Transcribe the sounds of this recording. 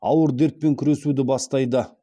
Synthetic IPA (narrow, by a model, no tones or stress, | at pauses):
ɑ̰wəɾd̪e̞ɾt̪̚pe̞ŋkʲʰʏɾe̞sud̪ɪbɑst̪ɑjd̪ə